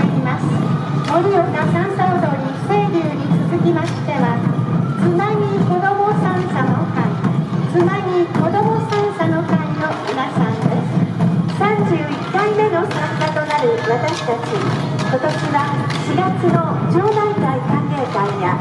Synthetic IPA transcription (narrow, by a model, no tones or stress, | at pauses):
imasɨ̥mo̞ɾʲɯjokasãɰ̃saːd̪o̞ɲ̟iseɾʲɯːɲ̟it͡sɨzɨkʲimaɕi̥t̪e̞βat͡sɨmaɲ̟iko̞d̪o̞mosãɰ̃sano̞̰ka̰it͡sɨmaɲ̟ʲiko̞d̪o̞mo̞sãɰ̃sano̞kaino̞minasãnd̪e̞sɨ̥sãɲd͡ʑɨːikːaime̞no̞sãŋkat̪o̞naɾɯ̟βat̪aɕi̥t̪at͡ɕiko̞t̪o̞ɕiβa | ɕiɡat͡sɨno̞d͡ʑoːd̪aikaikãŋke̞ːkãɰja